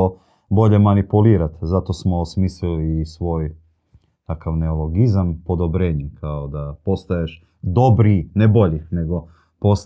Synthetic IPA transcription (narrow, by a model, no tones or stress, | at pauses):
o | bo̞ʎemanipuliːɾat̪zat̪o̞smoːsmiːslilisʋo̞ːj | t̪akaʋne̞olo̞ɡizampo̞d̪o̞bɾeːɲekʰaod̪apo̞st̪ajeʃ | d̪o̞bɾinebo̞ʎine̞ɡo̞ | pos